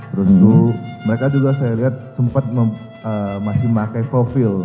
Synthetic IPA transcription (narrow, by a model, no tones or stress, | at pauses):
t̪əɾənt̪uməɾekad͡ʒuɡasajaliɦat̪̚səmpat̪̚mə | əmasɪhmakajfofɪl